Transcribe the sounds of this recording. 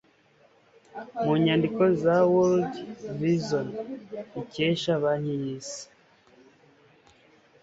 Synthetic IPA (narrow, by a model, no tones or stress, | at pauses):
muɲandikozawuldvizoniceʃaβaɲijiːsi̥